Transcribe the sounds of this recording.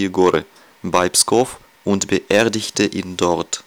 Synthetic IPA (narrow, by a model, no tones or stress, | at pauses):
ɡoɾə̰ | baɪpskɔf | ʔʊntb̥əʔɛːɐdɪçtəʔɪndɔʁt